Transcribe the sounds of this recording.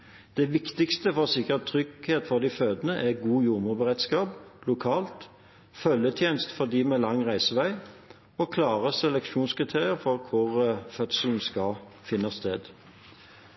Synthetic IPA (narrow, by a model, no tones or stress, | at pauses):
d̪̥ɛʋɪkt̪ɪkst̪əfɔʁsɪkːəʁt̪ʰʁʏɡheːt̪fɔʁd̪iføːd̪ənəʔæɡuːjʊʁmʊʁbəʁɛd̪skɑːplʊkʰɑːlt̪ | fœljət̪ʰjeːnst̪fɔʁd̪iːmɛlɑŋːʁæɪsəʋæɪ | okʰlɑːʁəsɛlɛkʃuːnskʁɪt̪ʰeːʁɪəʁfɔʁkʰʊʁfœt̪sl̩n̩skɑ | fɪnːɑst̪eːd̪